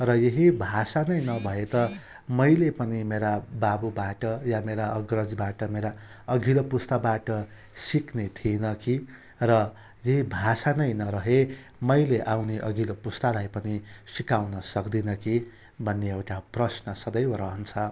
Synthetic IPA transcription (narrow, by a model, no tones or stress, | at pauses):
rʌjeɦibʱasanʌjnʌbʱʌet̪ʌ | mʌjlepʌnimeɾababubaʈʌjameɾaʌɡrʌd͡zbaʈʌmeɾa | ʌɡʱilopust̪abaʈʌ | siknet̪ʰienʌki | rʌ | jeɦibʱasanʌjnʌɾʌɦe | mʌjleʔawneʔʌɡʱilopust̪alajpʌnisikawnʌsʌkd̪inʌki | bʱʌnːeewʈaprʌsnʌsʌd̪ʌjɾʌɦʌnt͡sʰʌ